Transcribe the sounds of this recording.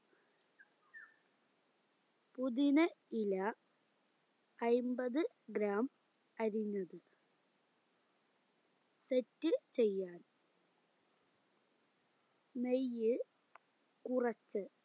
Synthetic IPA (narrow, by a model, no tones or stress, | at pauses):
puðinɐilɐ | jmbɐðɨ | ɡɾaːm | ɐɾiɲːɐðɨ | setːɨt͡ɕe̞jːaːn | mejːɨ | kurɐt͡ɕːɨ